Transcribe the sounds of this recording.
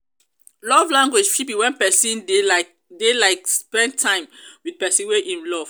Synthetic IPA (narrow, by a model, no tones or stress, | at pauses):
lɔvlãŋɡwed͡ʒpʰipĩwɛ̃npɛsĩn | delaɪkspɛ̃nd̚tʰãɪ̃mwid̚pɛsĩnweʔĩnlɔv̥